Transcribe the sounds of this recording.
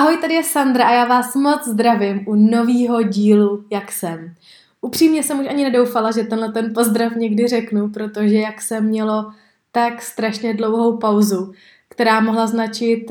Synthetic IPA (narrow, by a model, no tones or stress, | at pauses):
ʔaɦo̞jt̪adɪjɛsand̪ɾaʔajaːvaːsmo̞t͡szd̪ɾavɪmʔuno̞viːɦo̞ɟiːlujaksɛm | ʔupr̝̥iːmɲɛsɛmuʃʔaɲɪnɛdo̞wfalaʒɛt̪ɛnlɛt̪ɛnpo̞zd̪ɾafɲɛɡdɪr̝ɛknupɾo̞t̪o̞ʒɛjaksɛmɲɛlo̞ | t̪akst̪ɾaʃɲɛdlo̞wɦo̞wpawzu | kt̪ɛɾaːmo̞ɦlaznat͡ʃɪt̪